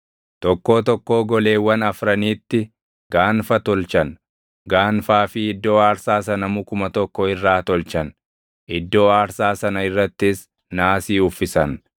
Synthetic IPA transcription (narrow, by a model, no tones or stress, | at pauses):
t̪ɔkːo̞ːt̪ɔkːo̞ːɡɔle̞ːwːɐnɐfɾɐniːt̪ːɪ | ɡ̥aːnfɐt̪ɔlt͡ʃɐn | ɡaːnfaːfɪɪd̪ːo̞ːaːɾsaːsɐnɐmʊkʊmɐt̪ɔkːɔɪrːaːt̪ɔlt͡ʃɐn | ʔɪd̪ːo̞ːaːɾsaːsɐnɐɪrːɐt̪ːɪs | naːsiːʊfːɪsɐn